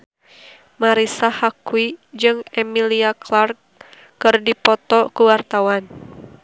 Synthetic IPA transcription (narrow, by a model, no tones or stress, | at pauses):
maɾisahakuid͡ʒɨŋɛmiliaklarkː | ɨrdipɔt̪ɔkuwart̪awan